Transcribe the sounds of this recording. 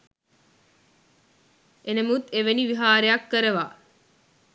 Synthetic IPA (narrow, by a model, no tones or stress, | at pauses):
ʔenemut̪ːeʋeniʋiɦaːɾejɐkːəɾeʋaː